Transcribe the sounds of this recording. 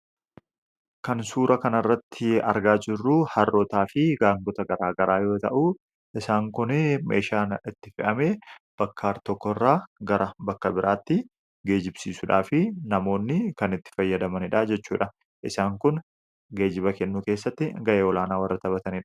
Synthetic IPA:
kɐnsuːɾɐkɐnɐrːɐt̪ʰːɪɐ̰ɾɡaːd͡ʒɪrːuhɐrːʔɔt̪aːfɪɡaːŋɡɔt̪ɐɡɐɾaːɡɐɾʔaːjo̞ːt̪ɐʔu | ʔɪsaːŋkʊnɛmʔeːʃaːnɪt̪ːɪfɪʔɐmeːb̥ɐkʰːaːɾt̪ɔkːɔrːaːɡɐɾɐbɐkːɐbɪɾʔaːt̪ːɪ | ɡe̞ːd͡ʒɪbsiːsʊᶑaːfɪnɐmo̞ːnːɪkɐnɪt̪ːɪ̥fɐjːɐd̪ɐmɐnɪᶑaːd͡ʒɛt͡ʃːṵːᶑɐ | ʔɪsaːŋkʊn | ɡe̞ːd͡ʒɪbɐkɛnːuːke̞ːsːɐt̪ːɪɡɐʔe̞ːɔlaːnaːwɐrːɐt̪ɐbɐt̪ɐnɪᶑɐ̥

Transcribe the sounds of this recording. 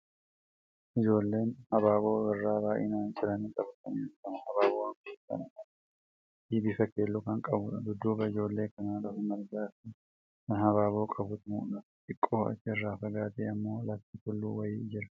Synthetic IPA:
ʔɪd͡ʒo̞ːlːe̞ːnhɐbaːbo̞ːwɐrːaːbaːjʔɪ̰naːnt͡ʃʼɪlɐnikʼɐbt̪ɐnɛkɐnhɐbaːboːwɐŋketːɐ̰nɐ | d̪iːbifɐkeːlːukɐŋkʼɐbʊᶑɐd̪ʊd̪ːuːbɐɪd͡ʒo̞ːlːe̞ːkɐnaːlɐfʊmɐɾɡaːfɪ | kɐnhɐβaːbo̞ːkʼɐbʊt̪mṵːnɐt̪ʼɪkʼːo̞ːɐ̰t͡ʃːɪɛrːaːfɐɡaːt̪eːɐmːo̞ːlɐt̪ɪtʊlːṵːwɐjɪːd͡ʒɪɾɐ̥

